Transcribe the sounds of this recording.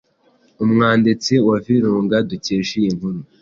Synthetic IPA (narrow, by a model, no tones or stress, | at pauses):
umŋaːndit͡siwaviɾuːŋɡaduceːʃijin̥humu